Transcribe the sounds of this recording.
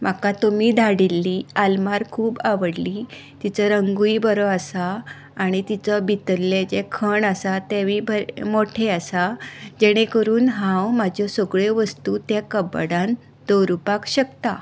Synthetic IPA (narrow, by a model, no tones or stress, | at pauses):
m̤akat̪omiːd̪ʱaɽilːiːalmaɾkʰuːbaʋəɽliː | t̪it͡səɾəŋɡuibəɾɔasaː | ɽ̃it̪it͡səbʱit̪əlːed͡ʑekʰəɳasat̪eʋibʱəmoʈʰeasad͡ʑɛɽ̃ekəɾuːnɦãwmad͡ʑʱɔsɔɡɭeʋəst̪ut̪jakəbəɽãn | d̪̥oɾupakɕəkt̪a